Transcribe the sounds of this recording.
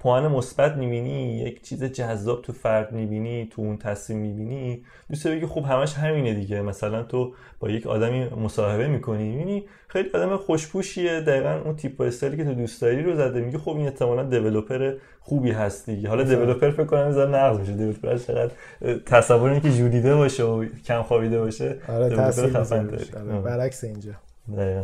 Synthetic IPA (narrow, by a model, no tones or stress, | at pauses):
pʰohænemo̞sbæt̪miːbinijḛcʰt͡ʃʰiːzed͡ʒæzːɒːb̚t̪ʰufæɾd̪mibiːnit̪ʰuunt̪ʰæslimːibiːni | d̪ust̪ebeɟixobɦæmæʃɦæmiːne̞d̪iɟe̞mæsælænt̪ʰo | b̥ɒ̰ːje̞cʰɒ̰ːd̪æmiːmosɒːhe̞βe̞miːkʰo̞niibini | xejliɒːd̪æmexoʃpʰuːʃied̪æiːɣænunt̪ʰipʰːoest̪eliːcʰe̞t̪ʰud̪uːst̪ɒːɾiːɾo̞zæd̪emiɟixo̞bine̞ht̪ʰe̞mɒːlænd̪e̞ve̞lopʰe̞ɾe | xuːbiːɦæst̪̚d̪iɟeɦɒːlɒd̪e̞ve̞lopʰe̞ɾfekʰːonænezɒɾenæɣzmiʃed̪evelopʰeɾæzfʰeɣæd̪ | t̪ʰæsævːoɾeicʲʰed͡ʒuːɾiːd̪e̞bɒːʃeocʰæmxɒːbid̪e̞bɒːʃeɾeopeɾxæfænd̪ɒ̰ɾḭbæɾækseind͡ʒɒ | d̪æiːɣæn